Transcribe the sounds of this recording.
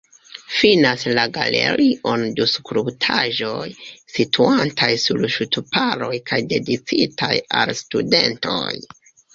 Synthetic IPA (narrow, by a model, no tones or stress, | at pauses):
finaslaɡa̰le̞̰ɾiʔonduskɾuptʰaʒo̞jsitʰuantʰajsulʃutupaɾo̞jkʰajde̞dit͡sitʰajalstude̞ntʰo̞̰j